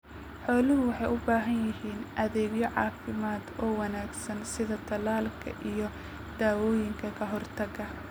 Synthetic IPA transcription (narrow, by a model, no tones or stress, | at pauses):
ħɔːlɪɦʊwɑħɑjʔʊbaːɦɐnjɪhiːnʔɐðɛːɡjɔʕɑ̰ːfɪmaːd̪ɔːwɑnaːɡsɐnsɪðɐt̪ʰɐlaːlkʰɐ̰ʔijɔ | d̪̥aːwɔːjɪŋkʰɐkʰɐɦɔrt̪ʰɐɡɐ